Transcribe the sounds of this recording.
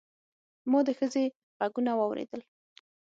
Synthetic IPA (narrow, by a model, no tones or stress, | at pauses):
mud̪əxəze | ɣaɡunawɑwɾḛd̪əl